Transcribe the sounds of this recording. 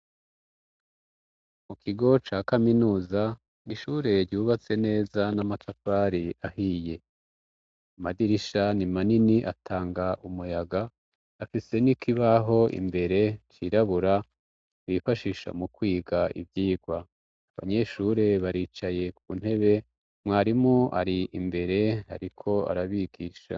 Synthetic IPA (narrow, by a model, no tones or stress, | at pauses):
mukʰiɡo̞t͡ʃaːkaminuːza | niʃuɾe̞ɾɟuːβat͡se̞ne̞ːzanamatafaɾiʔahiːje̞ | amadiɾiʃanimaniniʔatʰaːŋɡaʔumujaɡaː | fisenikʰiβaɦo̞ʔḭmbe̞ɾe̞t͡ʃiɾaβuɾa | βifaʃiʃa̰mukwiːɡaḭvjiːɡwa | aβa̰ɲe̞ʃuɾe̞βaɾiːt͡ʃaje̞kuβun̥e̞βe̞ | mŋaːɾimŋoʔa̰ɾiʔimbe̞ɾe̞ha̰ɾikʰo̞a̰ɾaβiɡiːʃa̰